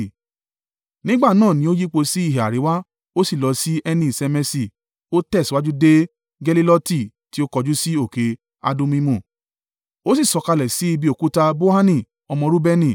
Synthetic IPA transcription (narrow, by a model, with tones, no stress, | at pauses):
nĩ˦ɡ͡ba˦˨nãː˦˨nĩ˧˦o˦ji˦k͡po˧si˦i˦˨ɦe˨a̰˨ɾe˨˦wa˦ | o˦si˦˨lɔ˨˧si˦ʔɛ˧nĩ˧˨sɛ˧mɛ˧si˨ | o˦tɛ˦˨swa˦d͡ʒu˦de˦ | ɡɛ˧li˦lɔ˦ti˦˨ | ti˦o˦kɔ˧d͡ʒu˦si˦o˦˨ke˨˧ | a̰˧dõ˦mĩ˦mũ˦˨ | o˦si˦˨sɔ˧ka˧lɛ˨si˨˦i˧bi˧o˨ku˨˦ta˧bo˦ha˦nĩ˦˨ | ɔ˧mɔ̃˧ɾu˦bɛ˧nĩ˦˨